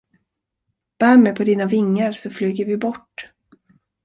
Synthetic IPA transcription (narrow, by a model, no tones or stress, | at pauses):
b̥æːmɛjpʰɔd̪iːnavɪŋːəɾsɔflyːɡəɾvɪbɔʈː